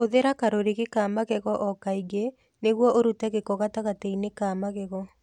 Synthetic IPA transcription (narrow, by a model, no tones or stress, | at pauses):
oðeɾakaɾoɾeɣekaːmaɣɛɣɔʔɔkaiɣe | neɣwɔʔoɾutɛɣekɔɣataɣateinekaːmaɣɛɣɔ